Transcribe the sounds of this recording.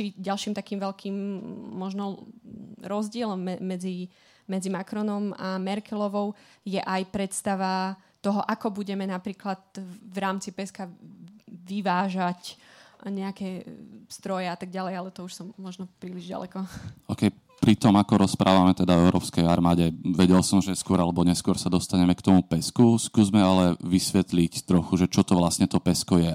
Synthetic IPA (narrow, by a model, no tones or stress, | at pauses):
iɟalʃiːmt̪akiːmʋɛʎkʰiːmːɔʒnɔ | ɾɔzɟɪɛlɔmːɛːɛd͡zi | mɛd͡zimakɾɔnɔmamɛɾkɛlɔʋɔʊjɛʔajpɾɛt̪st̪aʋat̪ɔɦɔʔakɔbuɟɛmɛnapɾiːklat̪ʋɾaːmt͡sipɛska | ʋiʋaːʒacɲɛakɛst̪ɾɔjɛat̪aɡ̚ɟalɛjalɛt̪ɔuʃsɔmːɔʒnɔpɾiːliʒɟa̰lɛ̰kɔɔkɛj | pɾit̪ɔmakɔɾɔspɾʔaːʋamɛt̪ɛd̪avɛʊɾɔːpskɛjaɾmaːɟɛʋɛɟɛlsɔmʒɛskʊɔɾalɛbɔɲɛskʊɔɾsad̪ɔst̪aɲɛmɛkt̪ɔmupɛskuskuːzmɛalɛʋisʋɛt̪lict̪ɾɔxuʒɛt͡ʃɔt̪ɔʋlastɲɛt̪ɔpɛskɔjɛ